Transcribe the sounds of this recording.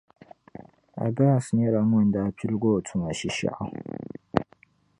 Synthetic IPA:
a̰˨ba˦˨sɲɛ˦ɾa˨mʊ˦n˨daː˦pʰi˦lɡoː˦˨tʰu˨ma˨ʃi˦ʃa̰˦˨ʔa˦

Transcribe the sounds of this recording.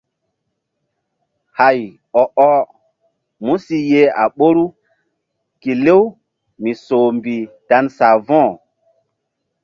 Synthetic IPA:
ha˨j | ɔ˨ʔɔ˦ | mũ˦si˦je˦a̰˨ɓo˦ɾu˦ | ki˨le˦w | mi˨so˨mbi˨ta˦nsa˨vɔ̃˦˨

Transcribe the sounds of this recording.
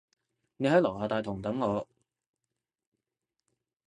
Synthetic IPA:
ne˨˧jhɐ˨˥jlɐ˨˩whaː˨˧t̪aː˨˧jt̪ʰʊ˨˩ŋ˨t̪ɐ˨˥ŋːɔː˨˧

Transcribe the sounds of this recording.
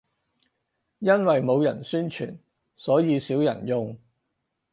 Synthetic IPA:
jɐ˥nwɐ˨jmo˨˧wjɐ˨˩nsyː˥nt͡ʃʰy̰ː˨˩n | sɔː˨˥jiː˨˧siː˨˥wjɐ̰˨˩njʊ˨˧ŋ

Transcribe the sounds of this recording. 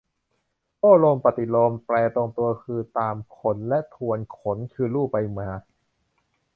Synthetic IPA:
pɔː˥˩loː˧mpa˨˩t̪i˨˩loː˧mplɛː˧t̪o˧ŋt̪u˧ɐkʰɯː˧t̪aː˧mkʰo˩˦nlɛ˦˥ʔt̪ʰu˧ənkʰo˩˦nkʰɯː˧luː˥˩pa˧jmaː˧˩

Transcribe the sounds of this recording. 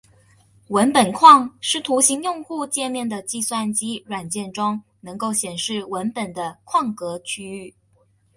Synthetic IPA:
wə˧˥npə˨˩nkʰwɑ˥˩ŋʂɻ̩˥˩t̪ʰu˧˥ɕi˧˥ŋjʊ˥˧ŋxu˥˧t͡ɕjɛ˥˧mjɛ˥˩nd̪ə˩t͡ɕi˥˧swa˥˩nt͡ɕi˥ɻwa˨˩nt͡ɕjɛ˥˩nʈ͡ʂʊ˥ŋ | nɤ˧˥ŋko˥˩ʊɕjɛ˨˩nʂɻ̩˥˩wə˧˥npə˨˩nd̪ə˦kʰwɑ˥˩ŋkɤ˧˥t͡ɕʰy˥y˥˩

